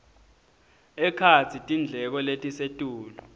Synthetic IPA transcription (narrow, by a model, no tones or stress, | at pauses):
ɛkʰat͡sʰitʼind͡ɮʱɛk̬ɔletʼisetʼuːlɔ